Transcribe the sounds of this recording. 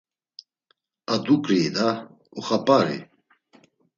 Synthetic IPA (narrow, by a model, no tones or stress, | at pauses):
ad̪ukʼɾiːd̪a | ɔχapʼaɾḭ